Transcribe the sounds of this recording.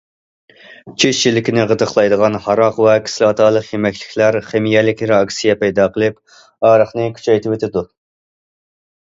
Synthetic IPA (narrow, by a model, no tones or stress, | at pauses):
t͡ʃʰeʃt͡ʃilːɪkʲinɪʁət̪əχlˠɑjd̪əʁɑnhɑɾɑqwɛkʰʲi̥slˠɑːt̪ʰɑːlˠəqjemɛkʲlɪ̥kʲʰlæɾχemijɛlɪkʲɪɾɑksijɛpɛjd̪ɑːqʰəlˠɨp | ɑːɾəχnɨkʲʰy̥t͡ʃʰɛjt̪ɪwet̪ʰɪd̪u